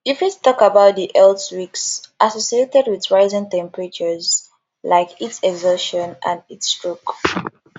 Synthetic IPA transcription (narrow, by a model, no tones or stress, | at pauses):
ifjuttɔkabaʊt̚diʔɛlswiksʔasɔsietɛdwiðɹaɪzĩntɛ̃mpɹət͡ʃəz | laɪkitsɛɡzɔʃɔ̃nã̰nitstɹ̥uk